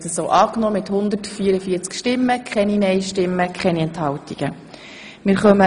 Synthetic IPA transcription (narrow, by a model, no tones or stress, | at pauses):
təsoːʔɑːknɔmɪt̪hʊnd̪ətfiəɾəfiːt͡skʃtɪmːəkʰχɛninɛɪʃtɪmːəkʰχɛniɛnthɑwtiɡ̥ə | mɪɾχœmə